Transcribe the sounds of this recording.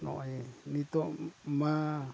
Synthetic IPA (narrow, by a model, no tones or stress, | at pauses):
no̰enit̪oma